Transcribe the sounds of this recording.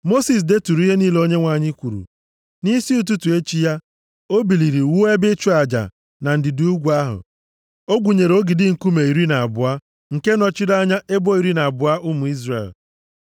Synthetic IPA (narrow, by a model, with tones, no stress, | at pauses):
mo˦si˨s̬de˦tu˨ɾu˦i˦ɦe˦niː˦lo˦ɲe˦ŋʷa˨ɲɪ˦kʷu˨ɾṵ˨ | ni˦si˦u˨t̬u˦tu˨e˦t͡ʃi˦ja˦ | o˦bi˨li˨ɾi˨wu˦e˦bɪ˦t͡ʃu˦a˨d͡ʒa̰˨ | na˨n̩˨dɪ˨du˨˦u˦ɡʷu˨˦a˦ɦʊ̰˨ | o˦ɡʷu˨ɲe˨ɾo˦ɡɪ˨dɪ˦ŋ̩˨ku˦me˨i˨ɾi˦na˨a˨bʊ˨a˦ | ŋ̩˨ke˦nɔ˨t͡ʃɪ˦da˦ɲa˦e˦bo˦i˨ɾi˦na˨a˨bʊ˨a˦ʔʊ˦mʊ˨i˦zre˨l